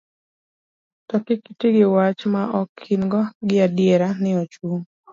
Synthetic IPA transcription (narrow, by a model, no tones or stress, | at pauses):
tɔkɪkitiɡɪwat͡ʃmaʔɔkʰːɪnɡɔɡɪadjɛɾanɪɔt͡ʃuŋ